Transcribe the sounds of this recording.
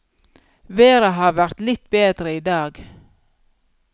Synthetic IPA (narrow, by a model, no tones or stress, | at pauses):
ʋeːɾəɦɑːʋæɾt̪lɪt̪beːd̪ɾəiːd̪ɑːɡ